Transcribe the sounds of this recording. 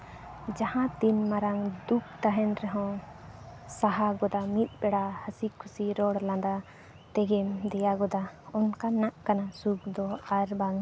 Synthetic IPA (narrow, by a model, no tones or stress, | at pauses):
d͡ʒahãt̪inmaɾaŋd̪uk̚t̪aɦɛnɾɛɦɔ̃ | saɦaɡɔd̪amit̪̚ˀbɛɽahəsikʰusiɾɔɽlãd̪a | t̪ɛɡɛmd̪ɛjaɡɔd̪aɔnkanaʔkanasuk̚d̪ɔaɾbaŋ